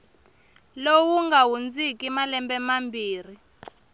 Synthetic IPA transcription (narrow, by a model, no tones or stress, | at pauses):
lowuŋɡawund͡zikʼimalɛmbɛmambʱiːri